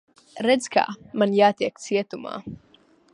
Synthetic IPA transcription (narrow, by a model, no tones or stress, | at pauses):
ɾɛd̪z̥ka̰ːmanjaːt̪iɛk̚t̪siɛt̪uma̰ː